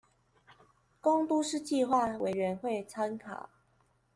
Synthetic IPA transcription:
ko˥ŋt̪u˥˧ʂɻ̩˥˧t͡ɕi˥˧xwa˥˩we˨˩ɪɻə˨˦nxwe˥˨ɪt͡sʰa˥nkʰa̰˨˩˦

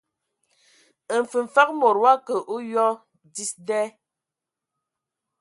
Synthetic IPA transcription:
ə˨ɱ̩˨fə˨ɱ̩˨fa˦k̚mo˨ɾwa˦kə˨ʔu˦jɔ˦ | di˦sdɛ˦

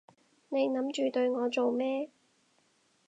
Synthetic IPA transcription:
ne˨˧jnɐ˨˥mt͡ʃyː˨t̪ɵ˧ɥŋɔː˨˧t͡so˨wmɛː˥

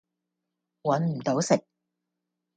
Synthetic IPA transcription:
wɐ˨˥nm̩˨˩t̪o˨˥wsɪ˨k̚

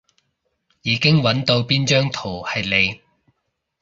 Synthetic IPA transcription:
jiː˨˧˥kɪ˥ŋwɐ˨˥nt̪o˧wpiː˥nt͡ʃœː˥ŋt̪ʰo˨˩whɐ˨jle˨˧j

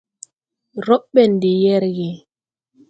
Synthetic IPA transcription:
ɾɔ˦ɓɛ˨n˨di˨jɛ˦ɾɡi˨

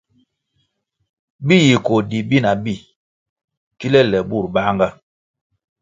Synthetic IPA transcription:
bi˦˨ji˨ko˨di˨bi˦˨na˨bi˦˨ | ki˦lɛ˦lɛ˨bu˦˨ɾba˦ŋɡa˦

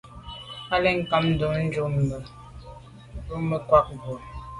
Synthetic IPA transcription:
a˦lɛ˦ŋ̩˨ka˨mn̩˦do˨ŋn̩˦d͡ʒu˦mə˨˦ | d͡ʒu˦mə˨kwa˦k̚ɡo˨

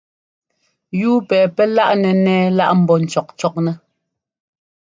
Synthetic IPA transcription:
juː˦pɛː˨pɛ˦la˦ʔnɛ˨nɛː˦la˦ʔm̩˨bɔ˨n̩˨t͡ʃɔ˨k̚t͡ʃɔ˦k̚nɛ˦

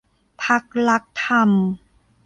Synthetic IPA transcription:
pʰa˦˥k̚la˦˥k̚t̪ʰa˧m

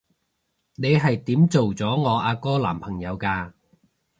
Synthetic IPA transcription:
ne˨˧jɦɐ˨jt̪iː˨˥mt͡so˨wt͡sɔː˨˥ŋɔː˨˧ʔaː˧kɔː˥la̰ː˨˩mpʰɐ˨˩ŋjɐ˨˧wkaː˧

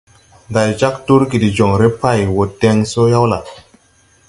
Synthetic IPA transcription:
nda˨jd͡ʒa˦ktu˦ɾki˨di˨d͡ʒo˨ŋɾe˦pa˦˨jwo˨te˦ŋso˦ja˦wla˨

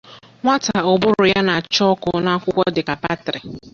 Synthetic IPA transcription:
ŋʷa˦ta˨ʊ˨bʊ˦ɾʊ˨ja˦na˨t͡ʃɔ˦kʊ˦na˦kʷʊ˦kʷɔ˦dɪ˨ka˨pa˦tɾɪ˨

